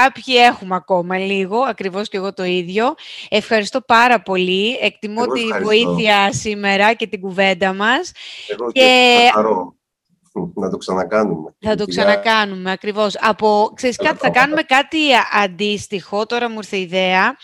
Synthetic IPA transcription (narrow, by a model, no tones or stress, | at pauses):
ɐpçie̞xumeɐko̞mɐliɣo̞ɐkɾivo̞sce̞ɣo̞t̪o̞iðʝo̞e̞fxɐɾist̪o̞pɐɾɐpo̞liek̚t̪imot̪ivo̞iθiɐsime̞ɾɐce̞t̪iɡuve̞nd̪ɐmɐsceɾo | nɐt̪oksɐnɐkɐnumeθɐt̪oksɐnɐkɐnumeɐkɾivo̞sɐpo̞kseɾiskɐt̪iθɐkɐnume̞kɐt̪iɐnd̪ist̪ixo̞t̪o̞ɾɐmuiɾθeiðe̞ɐ